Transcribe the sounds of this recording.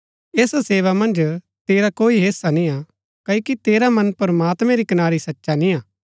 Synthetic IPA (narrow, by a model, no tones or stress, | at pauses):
eːsseːʋamɐ̃nd͡ʒ | t̪eːɾakoːiɦeːsanĩa | kɐkit̪eːɾamɐ̃npɐɾɐmaːt̪mɛ̃ɾikɐnaːɾisɐtːʃanĩaː